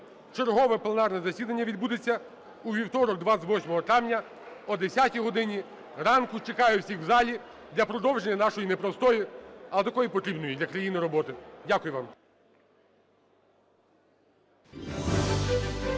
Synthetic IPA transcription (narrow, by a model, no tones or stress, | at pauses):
t͡ʃerɦɔʋɛplˠenɑrnɛzɐsʲid̪ɐnʲːɐʋʲid̪̚bud̪et͡sʲːɐ | uʋʲiwt̪ɔɾɔk̚d̪ʋaʋɔsʲmɔɦɔt̪ɾawnʲɐ | ɔd̪esʲatʲiɦɔd̪ɪnʲi | rɑnkʊt͡ʃekɑjɛwsʲixwzɑlʲi | d̪lʲɐpɾɔd̪ɔwʒenʲːɐnɑʃɔjinepɾɔst̪ɔjiɐlˠɛt̪ɐkɔjipɔt̪ɾʲibnɔjid̪lʲɐkɾɐjinɪɾɔbɔt̪ɪdʲakʊjʊʋɑm